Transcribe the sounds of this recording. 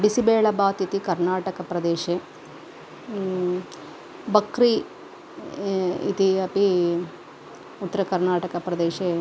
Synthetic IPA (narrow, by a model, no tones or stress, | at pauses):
bisibeːɭɐbaːt̪it̪ikɐɾnaːʈɐkɐpɾɐd̪eːʃe | bɐkɾi | ḭt̪iɐpi | ut̪ːɐɾɐkɐɾnaːʈɐkɐpɾɐd̪eːʃeː